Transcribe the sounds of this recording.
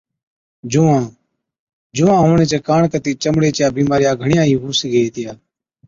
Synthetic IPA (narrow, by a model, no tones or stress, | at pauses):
d͡ʒuːãː | d͡ʒuːãːɦoːɳeːt͡ʃeːkaːɳkət̪iːt͡ʃəmɽeːt͡ʃjaːbiːmaːɾɪjaːɡʱəɳɪjãːɦĩːɦuːsiːɡəeːt̪ɪjaː